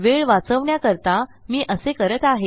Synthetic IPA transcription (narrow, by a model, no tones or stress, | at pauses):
ʋeɭʋat͡səʋɳjakəɾt̪amiːʔəsekəɾət̪aɦe